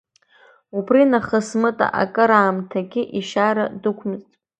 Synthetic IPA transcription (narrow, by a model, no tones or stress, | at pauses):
ubrinaχəsmɨtʼa̰ʔa̰kʼɨɾaːmtʰaɡʲɪʔiʃaɾadɨkʷʰmɨztʼ